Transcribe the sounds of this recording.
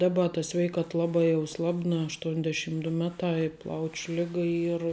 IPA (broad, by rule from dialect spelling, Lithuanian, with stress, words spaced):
ˈdɑːbɐ tɐ ˈsʲʋʲɛɪkɐt ˈlˠɑːbɑː jɛʊ ˈslˠɑːbnɐ ɐʃˈtuɔnʲˌdʲæːʃʲiːm dʊ ˈmʲæːˌtɑː ɪ ˈplˠɐʊt͡ʃʲ ˈlʲɪɡɐ ˈiːr